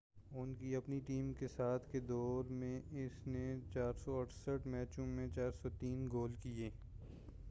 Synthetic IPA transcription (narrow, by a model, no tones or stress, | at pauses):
ʊnkiɐpniʈiːmkesaːt̪ʰked̪ɔːɾmẽɪsnet͡ʃaːɾsɔɐʈʰsəʈʰmɛːt͡ʃõmẽt͡ʃaːɾsɔt̪iːnɡoːlkieː